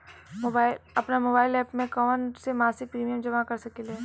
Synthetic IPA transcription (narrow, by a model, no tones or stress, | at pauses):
moːbaːɪlɐpnamoːbaːɪlɛːpmẽkɔːnsemaːsɪk̚pɾiːmijəmd͡ʒɐmakɐɾsɐkeleː